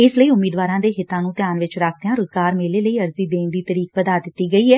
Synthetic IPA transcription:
ɪsləiːʊmːiːd̪ʋaːɾãːd̪eːɦɪt̪ːãːnũːt̪jaːnʋɪt͡ʃɾaːk̚ʰt̪ejãːɾʊːzɡaːɾmeːleːləiːəɾziːd̪eːnd̪iːt̪əɾiːk̚pəd̪aːd̪ɪt̪ːiːɡəiːɛː

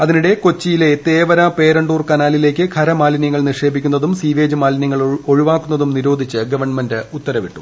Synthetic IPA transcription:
ɐðiniɽe̞ko̞t͡ɕːijile̞t̪eːʋɐɾape̞ːɾɐɳɖuːrkɐnaːlile̞ːk̬ʲːɨkʰɐɾɐmaːlinjɐŋːɐɭniʂe̞ːbʱikʲːunːɐðumsiːʋe̞ːd͡ʑɨmaːlnjɐŋːɐɭoɻuʋaːkːunːɐðumniɾo̞ːd̪ʱit͡ɕːɨɡɐʋɐrɳmɐndɨut̪ːɐɾɐʋiʈːu̥̰

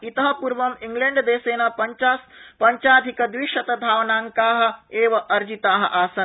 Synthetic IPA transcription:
it̪ɐɦɐ̆puɾʋɐmiŋɡleɳɖd̪eːseːnapaspɐɲt͡ʃaːd̪ʱikɐd̪ʋiʃɐt̪ɐd̪ʱaːʋnaːŋkaːɦɐ̆eːʋɐʔɐɾd͡ʒit̪aːɦɐ̰̆ʔaːsɐn

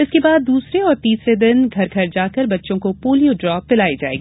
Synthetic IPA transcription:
ɪskebaːd̪ːuːsɾeɔːɾt̪iːsɾed̪ɪnɡʱɐɾɡʱɐɾd͡ʒaːkɐɾbɐtːʃõkopoːlijoɖɾɔːpːɪlaːid͡ʒa̰ːḛːɡiː

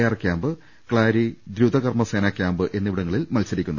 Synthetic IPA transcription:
jaːrkʲaːmbɨ | kɭaːɾid̪ɾuːd̪ɐɣɐrmɐse̞ːnɐkʲːaːmbɨʔe̞nːiʋiɽɐŋːɐɭilmɐlsɐɾikʲːunːɐðɨ

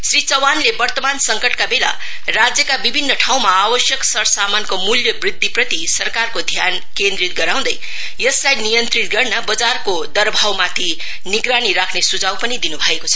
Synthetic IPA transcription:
srit͡sʌwanlebʌrt̪ʌmansʌŋkʌʈkabela̰ | rad͡zjʌkabibʱinːʌʈʰaw̃maːbʌsjʌksʌɾsamankomuljʌbrid̪ʱːiprʌt̪isʌrkarkod̪ʱjan | kend̪ɾit̪̚ɡʌɾaw̃d̪ʌj | jʌslajnijʌnt̪rit̪̚ɡʌrnabʌd͡zarkod̪ʌɾbʱawmat̪ʰi | niɡɾaniɾakʰnesud͡zawpʌnid̪inubʱʌekot͡sʰʌ

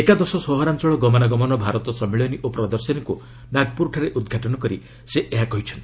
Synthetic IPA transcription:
ekad̪ɔsɔsɔɦɔɾant͡ʃɔɭɔɡɔmɔnaɡɔmɔnɔbʱaɾɔt̪ɔsɔmiɭjɔniʔopɾɔd̪ɔɾsɔnɔku | naɡpuɾʈʰaɾeʔud̪ɡʱaʈɔnɔkɔɾi | seʔeɦakɔɦit͡ʃʰɔnt̪i̥

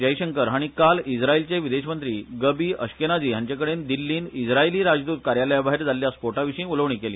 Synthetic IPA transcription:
d͡ʑəjiɕəŋkəɾɦaɽ̃ikalid͡zʱɾailt͡ɕeʋid̪eɕmənt̪ɾiːɡəbiːəɕkenad͡ʑiːjaɲt͡ɕjakəɽend̪ilːiːnid͡zʱɾailiːɾad͡zd̪uːt̪̚kaɾjaləjabʱaɦeɾd͡zalːjaspoʈaʋiɕĩːuləʋɳiːkelḭː

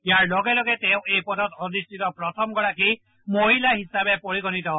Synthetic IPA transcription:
jaɹlɔɡɛlɔɡɛt̪eʊ̃ejpɔdɔt̪odistʰit̪ɔpɹɔt̪ʰɔmɡɔɹaki | moɦilaɦisabepoɹiɡɔnit̪ɔ

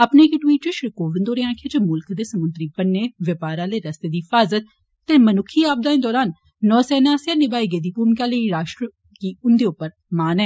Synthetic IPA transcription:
əpneːkʈwiːʈt͡ʃoːʃɾkoːʋɪnd̪oːɾeãːkʰeːd͡ʒemʊlkd̪eːsəmʊnt̪ɾiːpənːeːʋɪpaːɾãːleːɾəst̪eːd̪iːɪfaːzət̪̚ː | eːmənʊkʰːiːaːb̚d̪aːẽːd̪ɔːɾaːnː | ɔːsɛːnaːsjãːnɪbaːiɡed̪iːpuːɾmkaːləiɾaːʃʈɾə | kiːʊnd̪eːʊpːəɾ | maːnɛː

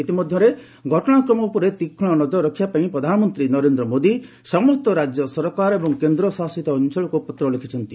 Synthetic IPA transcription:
it̪imɔd̪ʱjɔɾe | ɡʱɔʈɔɽ̃akɾɔmɔupɔɾet̪ikʰːɔ̃ɭ̃ɔnɔd͡ʒɔɾɔkʰːjapaĩpɾɔd̪ʱanɔmɔnt̪ɾinɔɾend̪ɾɔmod̪i | sɔmɔst̪ɔɾad͡ʒjɔsɔɾkaɾebɔŋkend̪ɾɔsasit̪ɔːnt͡ʃɔɭɔkupɔt̪ɾɔlekʰi̥t͡ʃʰɔnt̪i

